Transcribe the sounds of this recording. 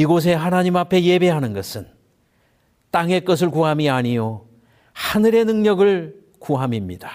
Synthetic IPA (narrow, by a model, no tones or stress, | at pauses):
iɡos̬ʰe̞ɦanaɲimapʰe̞je̞be̞ɦanɯnɡʌsʰɯn | t͈aŋe̞k͈ʌs̬ʰɯɭkuɦamiaɲijo | hanɯɾe̞nɯŋɲʌɡɯɭ | kuɦamimɲida